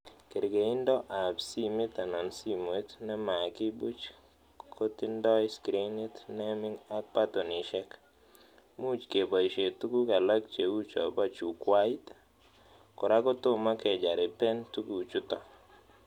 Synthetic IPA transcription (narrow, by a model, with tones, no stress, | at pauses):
ke˨ɾɡe˨ɪ˦ndɔ˦ʔa˨psi˦mɪ˦t̪a˨nɔ˨nsi˦mo˨˦t̪nɛ˦ma˨kɪ˦bu˦t͡ʃ | kʰo˦ti˦ndɔ˦ɪ˦skɾi˦nɪ˦tnɛ˦mɪ˦ŋa˦k̚pa˦to˨nɪ˨ʃɛ˦k | mu˦˨t͡ʃke˨ba˨i˨ʃe˨tu˦ku˦ka˨la˦k̚t͡ʃe˨u˦t͡ʃɔ̰˨ba˦t͡ʃu˨kwa˦i˦t | kɔ˨ɾa˦kɔ˦tʊ˦ma˦kɛ˨d͡ʒa˨ɾɪ˨pɛ˦ntu˦ku˦˨t͡ʃu˦tɔ˨